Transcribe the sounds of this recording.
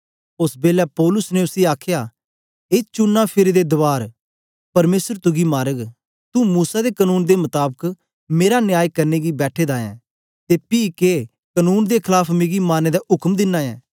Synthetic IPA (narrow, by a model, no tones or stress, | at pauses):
ʊsbeːlaːpɔːlʊsnẽʊsiaːkʰjaː | eːt͡ʃʊnːãːpʰɪɾed̪ed̪ʊʋaːɾ | pɐɾmeːsəɾt̪ʊɡimaːɾəɡ | t̪ũmuːsad̪ekənuːnd̪emət̪aːbək | meːɾanɪjaːjkɐɾneːɡibɛːʈʰeːd̪aːɛ̰̃ː | t̪epiːke | kənuːnd̪ekʰɪlaːpʰmeːɡimaːneːd̪aʔʊkmd̪ɪnːãːjɛ̰̃ː